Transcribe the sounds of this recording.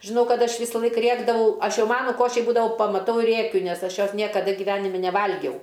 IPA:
ʒʲɪˈnɐʊ ˈkɐt ˈɐʃ ˈʋʲiːsɐlˠɐɪk ˈrʲeːɡdɐʋɐʊ ˈɐʃ ˈjɛʊ ˈmɑːnʊ ˈkoːʃʲiː ˈbuːdɐʋɐʊ pɐmɐˈtɐʊ ɪ ˈrʲeːkʲʊ nʲɛs ˈɐʃ ˈjoːs ˈnʲiɛkɐdɐ ɡʲɪˈʋʲæːnʲɪmʲɪ nʲɛˈʋɐlʲɡʲɛʊ

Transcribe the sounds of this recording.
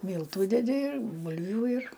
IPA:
ˈmʲiːlˠtʊ dʲɛˈdʲɪ ɪr ˈbʊlʲʋʲʊ ɪr

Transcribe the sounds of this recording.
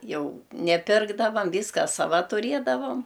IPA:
ˈjɛʊ nʲɛˈpʲɪrɡdɐʋɐm ˈʋʲiːskɐ sɐˈʋɐ tʊˈrʲeːdɐʋoːm

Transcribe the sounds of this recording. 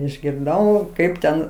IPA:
ɪʒʲɡʲɪrˈdɐʊ ˈkɐɪp tʲɛn

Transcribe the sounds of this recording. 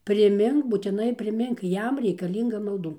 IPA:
pʲrʲɪˈmʲɪŋk buːtʲɪˈnɐɪ pʲrʲɪˈmʲɪŋk ˈjɛm rʲɛɪkɐˈlʲiːŋɡɐ mɐlˠˈduː

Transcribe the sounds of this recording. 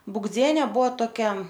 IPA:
bʊɡˈd͡zʲiɛnʲɛ ˈbuɔ toːˈkʲɛ

